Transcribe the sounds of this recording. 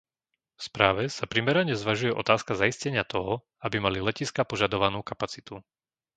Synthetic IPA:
fspɾaːʋɛsapɾimɛɾaɲɛzʋaʒujɛʔɔ̰t̪aːskazaiscɛɲɪat̪ɔɦɔ | abimalilɛciskapɔʒad̪ɔʋanuːkapat͡sit̪u

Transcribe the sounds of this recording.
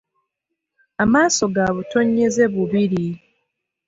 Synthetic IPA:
amaːso̞ɡaːβuto̞ɲːe̞ze̞βuβiɾi

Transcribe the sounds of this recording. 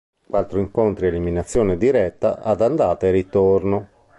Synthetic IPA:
kwat̪ːɾoiŋkont̪ɾieliminat̪sːjɔːned̪iɾɛt̪ːa̰ʔad̪and̪aːt̪aɾit̪oɾno

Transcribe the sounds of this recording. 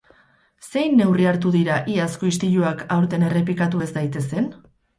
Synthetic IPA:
se̞jnːe̞wriaɾt̪uðiɾaʔiasko̞is̬t̪iʎuakawɾt̪e̞ne̞re̞plikat̪ue̞zd̪ajt̪e̞se̞n

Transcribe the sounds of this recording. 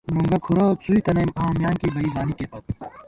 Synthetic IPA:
nõŋɡɐkʰuɾat͡suikɐnɐmãːmjaːŋkibʱɐiːzaːnikeːpɐt̪ʰ

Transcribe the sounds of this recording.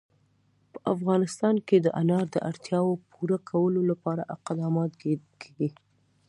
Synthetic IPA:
pə̥ʔafɣɑnɪst̪ɑnked̪əʔanɑɾd̪əʔaɽt̪jɑwopuɾakʰawəlolapɑɾa̰ʔaqad̪ɑmɑt̪kʰeɡi

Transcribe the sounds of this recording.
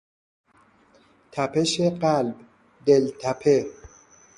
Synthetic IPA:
t̪ʰæpʰeʃeɢælb | d̪elt̪ʰæpʰe

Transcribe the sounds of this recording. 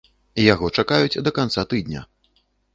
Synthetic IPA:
ijaɣɔt͡ʂakajut͡sʲd̪ɐkant̪sat̪ɨd̪nʲɐ̰

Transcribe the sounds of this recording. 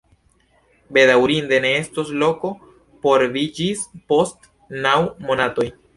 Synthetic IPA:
be̞dawɾinde̞ne̞e̞stoslo̞ko̞ | po̞ɾvid͡ʒispo̞st | nawmo̞nato̞j

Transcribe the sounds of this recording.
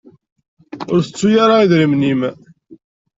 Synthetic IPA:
ʊɾθət͡sːujaɾaiðɾimnim

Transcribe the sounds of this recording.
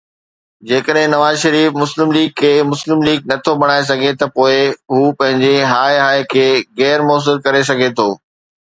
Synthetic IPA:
d͡ʑeːkəɗɦɪ̃nɐʋaːzʃɐɾiːfmʊslɪmliːɡ̚kʰːeːmʊslɪmliːɡ̚nɐt̪ʰobɐɽ̃aːes̬ɐɡʱet̪ɐpoːɪɦuːpɐ̃ɦɪ̃ɲd͡ʑeɦaːeɦaːɪkʰeːɣɛːɾmɔːs̬ɪɾkɐɾes̬ɐɡʱet̪ʰoː

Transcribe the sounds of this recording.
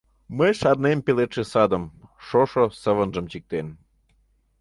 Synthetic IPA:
məjʃɑrnempelet̪ʃesɑd̪əmʃoʃosəβənʒə̆mt͡ɕik̚t̪en

